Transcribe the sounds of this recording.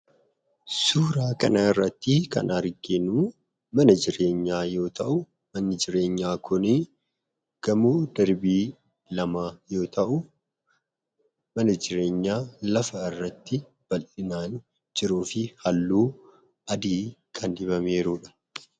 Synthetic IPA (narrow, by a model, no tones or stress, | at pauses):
suːɾaːkɐnɐɪrːɐt̪ːɪkɐ̰naɾɡeːnuː | mɐnɐd͡ʒɪɾe̞ːɲːaːjo̞ːt̪ʰɐʔʊ | mɐnːɪd͡ʒɪɾe̞ːɲːaːkʰʊnɪ | ɡ̥ɐmuːd̪ɐɾbiː | lɐmaːjo̞ːt̪ʰɐʔʊ | mɐnɐd͡ʒɪɾe̞ːɲːaːlɐfɐɪrːɐt̪ːɪ | b̥ɐlʔɪnaːn | d͡ʒɪɾuːfɪhɐlːuː | ʔɐd̪iːkʰɐnd̪ɪbɐme̞ːɾuːᶑɐ̥